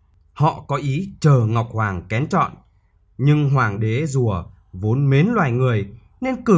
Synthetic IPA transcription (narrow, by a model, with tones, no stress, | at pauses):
hɔ̰˧˨kɔ˨˦ʔi˨˦t͡ɕəː˨˩ŋa˨˩wk͡p̚hwaː˨˩ŋkɛ˨˦nt͡ɕɔ̰˧˨n | ɲɨ˧ŋɦwaː˨˩ŋɗe˨˦zu˧˩ə | vo˨˦nme˨˦nlwa̰ː˧˨jŋɨ˨˩əj | ne˧nkɨ˨˩